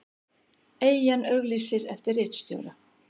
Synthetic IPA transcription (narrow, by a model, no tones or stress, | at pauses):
eːjjanœɣliːsɪɾɛft̪ɪrːɪːt̪st̪jœ̰ɣɾa